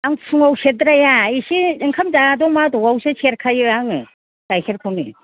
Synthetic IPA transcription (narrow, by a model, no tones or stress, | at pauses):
aŋpʰuŋawsetdɾajaisiiŋkʰamzadɔŋmadɔɡawsɯt͡ʃʰeɾkʰajɯaŋɯ | ɡ̥ajseɾkʰɯŋɯ̰